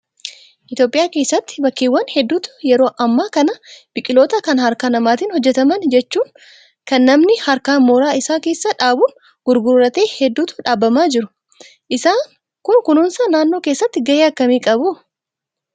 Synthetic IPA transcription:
ʔɪt̪jo̞ːpʼːɪjaːke̞ːsːɐt̪ːɪ̥bɐkːeːwːɐnhɛd̪ːuːt̪ʊ̥jɛɾo̞ːʔɐmːaːkɐnɐb̥ɪkʼɪlo̞ːt̪ɐkɐnɦɐɾkaːnɐmaːt̪iːnhɔd͡ʒːɛt̪ɐmɐnd͡ʒɛt͡ʃːuːŋ | kɐnːɐmnɪhɐɾkaːnmoːɾaːɪsaːke̞ːsːaᶑaːbuːn | ɡ̥ʊɾɡʊɾɾɐt̪e̞ːhɛd̪ːuːt̪ʊ̥ᶑaːbːɐmaːd͡ʒɪɾʊ | ʔɪsaːŋ | kʊnkʊnʊnsɐnaːnːo̞ːkeːsːɐt̪ːɪɡɐjeːɐkːɐmiːkʼɐbʊ

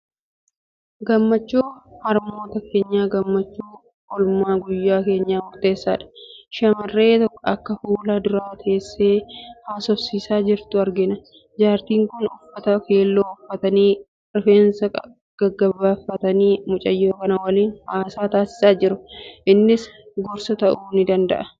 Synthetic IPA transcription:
ɡɐmːɐt͡ʃːuːhɐɾmo̞ːt̪ɐke̞ːɲːaːɡɐmːɐt͡ʃːuː | kɔlmaːɡʊjːaːke̞ːɲːaːmʊɾt̪e̞ːsːaːᶑɐ̥ʃɐmɐrːe̞ːt̪ɔkːɐkːɐfuːlad̪ʊɾaːt̪ʰɐːsːe̞ːhaːsɔsiːsaːd͡ʒɪɾt̪ʊɐɾɡɪnɐ | d͡ʒaːɾt̪iːŋkʊnʊfːɐt̪ɐkeːlːoːʊfːɐt̪ɐniː | ɾɪfe̞ːnsɐk | ɡ̥ɐɡːɐbːaːfːɐt̪ɐniːmʊt͡ʃʼɐjːoːkɐnɐwɐliːnhaːsaːt̪aːsɪ̥saːd͡ʒɪɾʊʔɪnːɪsɡɔɾsɐt̪ɐʔuːnɪd̪ɐnd̪ɐ̰ʔɐ

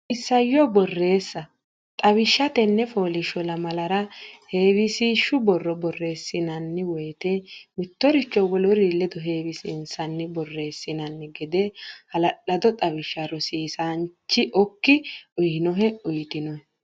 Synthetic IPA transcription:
ɪsːɐjːɔbɔrːe̞ːsːɐ | t̪ʼɐwɪʃːɐt̪ɛnːɛfoːlɪʃɔlɐmɐlɐɾɐhe̞ːwɪsiːʃːʊbɔrːɔbɔrːe̞ːsːɪnɐnːɪwɔjt̪emɪt̪ːɔɾɪt͡ʃːɔwɔlɔɾilːɛd̪ɔɦe̞ːwɪsɪ̰nsɐnːɪbɔrːe̞ːsːɪnɐnːɪɡɛd̪ɛhɐlɐɗɐd̪ɔt̪ʼɐwɪʃːɐɾɔsiːsant͡ʃːɪʔɔkːɪʊjɪnɔɦɛʊjt̪ɪnɔh

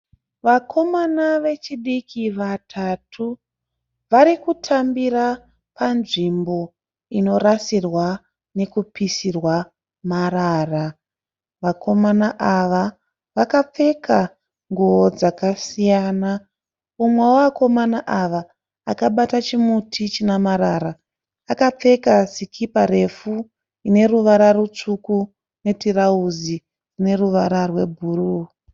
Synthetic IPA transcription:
ʋakʰo̞manaʋe̞t͡ʃiɗikʰiʋatʰatʰu | ʋaɾikutʰambira | panʐimbo̞ | ino̞ɾasirwa | ne̞kupisirwa | maraːra | ʋakʰo̞manaʔaʋa | ʋakap͡fe̞kʰa | ŋɡood͡zakasijaːna | umweoako̞manaʔaʋaː | kaɓatat͡ʃimutʰit͡ʃinamaɾaɾaː | kap͡fe̞kasikʰipaɾe̞fu | ine̞ruʋaɾarut͡ʂuku | ne̞tirauzi | rine̞ruʋaɾarwe̞bʱuːru

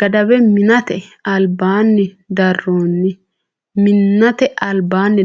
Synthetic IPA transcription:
ɡ̥ɐd̪ɐbɛmɪnɐt̪ɛɐlbaːnːɪd̪ɐrːoːnːɪ | mɪnːɐt̪ɛʔɐlbaːnːɪ

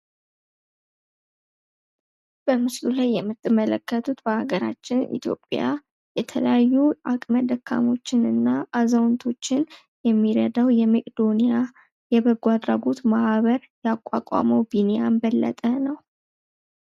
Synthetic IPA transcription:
b̥əmɨslulajːɛmːɨt̪ʼːɨmːələkːət̪ʰut̪bəhaɡəɾa̰t͡ʃːɪnḭt̪ʰjo̞̰pʼja̰ | jɛt̪ʰələjajːuakʼməd̪əkʰːa̰mo̞t͡ʃːɪnɨnːaʔːzəwnt̪ʰo̞t͡ʃːɪn | jɛmːiɾəd̪awjɛmeʔʼd̪o̞nija | jɛβəɡʷad̪ɾaɡot̪maʔβəɾjakʷʼːa̰kʼa̰məwbinejanbəlːə̰t̪ʼənəw

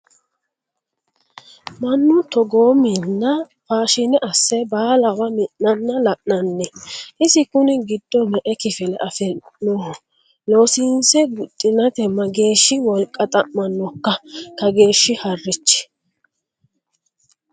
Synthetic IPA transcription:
mɐnːʊt̪ɔɡoːmɪnːɐ | faːʃɪnɛʔɐsːɛbaːlɐwɐmɪʔnɐnːɐlɐʔnɐnːɛʔɪsɪkʊnɪɡɪd̪̥ːɔmɛʔɛkɪfɪlɛʔɐfɛnːo | lo̞ːsiːnsɛɡʊt̪ʼːɪnɐt̪ɛmːɐɡe̞ːʃːɪwɔlkʼːɐt̪ʼɐʔmːɐnːɔkːɐkɐɡe̞ːʃːɪhɐrːɪt͡ʃːɛ̥

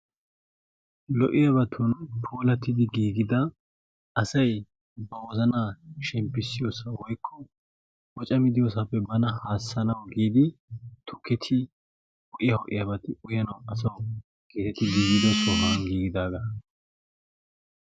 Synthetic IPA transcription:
lɔʔɪjɐbɐt̪ʰʊnpʰoːlɐt̪ːɪd̪ɪɡiːɡɪd̪ɐ | ɐsɐj | bɐwɔzɐnaːʃɛmpːɪsːɪjoːsɐwɔjkʰːɔ | wɔt͡ʃʼɐmɪd̪ɪjoːsɐpːɛbɐnɐhaːsːɐnɐwɡiːd̪ɪt̪ʰʊkɛt̪ʰɪ | hɔʔɪjɐhɔʔɪ̰jɐbɐt̪ɪʊjɐnɐwɐsɐw | ɡ̥eːt̪ɛt̪ːɪɡiːɡɪd̪ɐsɔɦanɡiːɡɪd̪aːɡɐ

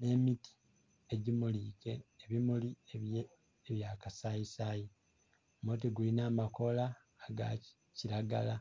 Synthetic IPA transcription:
ne̞mitʰi̥ | eɟimuliːke̞ːβimuli | eβjakasaisaji | mot̬iɡulinaːmako̞laː | ɡa̰ | ciɾaɡala

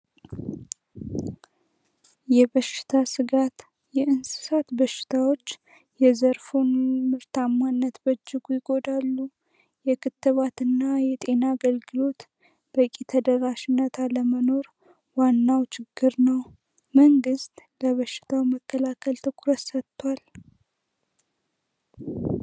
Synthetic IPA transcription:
jɛβəʃɪ̥t̪ʰasɨɡat̪ | jɛʔɨnsɨ̥sat̪bəʃːɪ̥t̪ʰawo̞t͡ʃː | jɛzəɾfunmɨɾt̪ʰamːanːət̪bəd͡ʒːɪɡujɪɡo̞d̪alːu | jɛkʰɨt̪ːɨβat̪ɨnːajɛt̪ʼe̞naːɡəlɡɨlo̞t̪ | b̥əkʼit̪ʰəd̪əɾaʃɪnːət̪ʰaləməno̞ɾ | wanːawt͡ʃʰɪɡːɨɾnəw | məŋɡɨst̪ʼləβəʃːɪ̥t̪ʰawməkʰːəlakʰəlt̪ʰɨkʰɾət̪sət̪ʰːwal

